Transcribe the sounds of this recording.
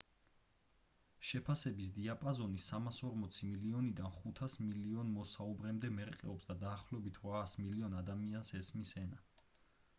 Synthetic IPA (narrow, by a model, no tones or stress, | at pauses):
ʃɛpʰasɛbis̬d̪iapʼazɔnisamasɔɾmɔt̪sʰimiliɔnid̪anχut̪ʰasmiliɔnmɔsaubɾɛmd̪ɛmɛɾqʼɛ̰ɔpsd̪ad̪aːχlɔɛbit̪ʰɾaːsmiliɔnad̪amiansɛsmisɛna